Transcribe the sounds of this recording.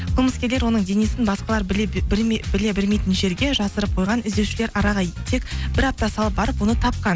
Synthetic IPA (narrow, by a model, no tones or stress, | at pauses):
qʰəlˠməskʲe̞ɾle̞ɾwo̞nəɴd̪e̞nesɪnbɑsqɑlˠɑɾ | bɪle̞bɪlme̞jt̪ɪnʒe̞ɾɡʲe̞ʒɑsəɾəp̚qʰo̞jʁɑnɪzd̪ewʃɪle̞ɾɑɾɑʁɑjt̪ʰekb̥ɪɾɑp̚t̪ɑsɑlˠəp̚bɑɾəpwo̞nət̪ʰɑp̚qɑn